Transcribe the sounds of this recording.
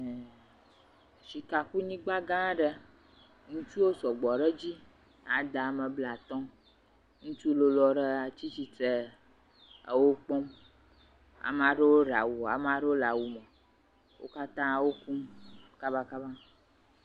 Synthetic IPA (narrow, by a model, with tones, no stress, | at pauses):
ʃi˨ka˨ku˦ɲĩ˦ɡ͡ba˦ɡã˦ɖə˦ | ŋũ˦t͡ʃu˦wo˦sɔ˨ɡ͡bɔ˨ɖə˦d͡ʑi˦ | a˨d̪a˨a˨mə˨bla˨t̪ɔ̃˦ | ŋũ˦t͡ʃu˦lo˦lɔ˨ɖə˦a˨t͡ɕi˦t͡ɕi˨t̪e˦˨ | wo˦k͡pɔ˦m | a̰˨ma˨ɖe˦wo˦ɖa˨wu˨a̰˨mã˨˦ɖe˦wo˦la˨wu˨mə˨ | wo̰˦ka˦t̪ã˦wo˦ku˦mka˦ba˦ka˦ba˦